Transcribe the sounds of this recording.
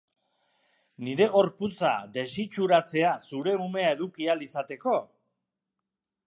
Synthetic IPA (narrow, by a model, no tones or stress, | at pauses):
niɾe̞ɣ̞o̞ɾput͡sa̰d̪e̞sit͡ʃuɾat͡se̞asuɾe̞ume̞ae̞ðukialisat̪e̞ko̞